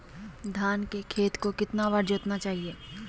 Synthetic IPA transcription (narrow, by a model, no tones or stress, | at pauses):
d̪ʱaːnkekʰeːt̪kokɪt̪naʋaɾd͡ʒoːt̪nat͡ʃaːɦieː